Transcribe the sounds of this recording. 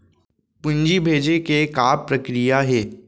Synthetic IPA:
pʊ̃ɲd͡ʒibʱeːd͡ʒekekaːpɾɐkɾijaɦɛː

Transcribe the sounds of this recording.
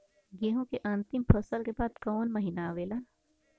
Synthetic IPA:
ɡeːɦõkeʔãːnt̪ɪmpʰɐsəlkebaːd̪kɔːnmɐɦinaʋeːlaː

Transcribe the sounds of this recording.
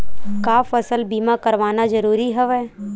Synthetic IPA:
kaːfɐsəlbiːmakɐɾʋaːnazɐɾuːɾiɦɛʋɛː

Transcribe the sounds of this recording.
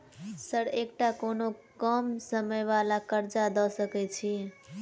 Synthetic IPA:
səɽekʈakonokəmsəməjʋalakəɾd͡ʒad̪ɔsəkɛt͡ʃʰi

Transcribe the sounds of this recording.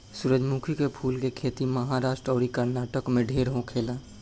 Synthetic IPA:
suːɾəd͡ʒmukʰikepʰuːlkekʰeːt̪iməɦaɾaːʃʈɾɔːɾikəɾnaːʈəkmẽɖʱeːɾɦõkʰeːlaː

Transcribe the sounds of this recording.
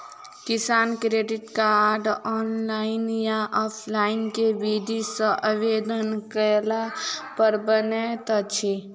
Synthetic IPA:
kɪsaːnkɾeːɖɪʈkaɾɖɔːnlaːɪnjaʔɔːpʰlaːɪnkeʋiːd̪isəʔaʋeːd̪ənkəlapəɾbənet̪at͡ʃʰi

